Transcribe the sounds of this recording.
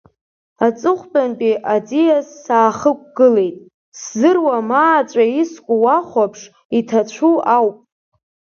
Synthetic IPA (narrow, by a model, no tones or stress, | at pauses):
at͡sʼɨχʷbʼanpʼiʔad͡zijasːaːχək̚ʷʰʼɡ̥ɨle̞jtʼ | szɨrwamaːt͡ʃʷʼaiskʷʼuwaχʷapʰʂ | itʰat͡ɕʷʰuawpʼ